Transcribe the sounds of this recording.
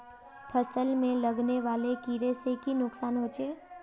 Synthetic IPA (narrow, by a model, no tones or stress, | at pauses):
pʰəsəlmẽlɐɡneʋaːlekiːɾesekinʊksaːnɦoːt͡ʃeː